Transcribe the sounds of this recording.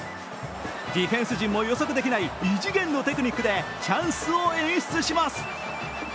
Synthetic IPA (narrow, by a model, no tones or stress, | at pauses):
d̪ʲiɸẽ̞ɰ̃sɨʑĩmːo̞jo̞so̞kɯ̟d̪e̞kʲinaiiʑiɡẽ̞nːo̞t̪e̞kɯ̟ɲ̟ʲikːɯ̟d̪e̞ | t͡ɕãɰ̃sɨoẽ̞ɕi̥t͡sɨɕimasɨ̥